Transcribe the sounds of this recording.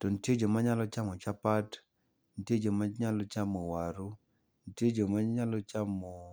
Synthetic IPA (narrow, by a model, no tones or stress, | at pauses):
tɔnted͡ʒomaɲalɔt͡ʃamɔt͡ʃapat | ntjed͡ʒomaɲalɔt͡ʃamɔwaɾu | nted͡ʒomaɲalɔt͡ʃamo